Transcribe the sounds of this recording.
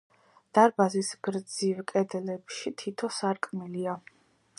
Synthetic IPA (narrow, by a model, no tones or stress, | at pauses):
d̪̥aɾbazisɡɾd̪zivkʼɛd̪ɛlɛpʃit̪ʰit̪ʰɔsaɾkʼmilia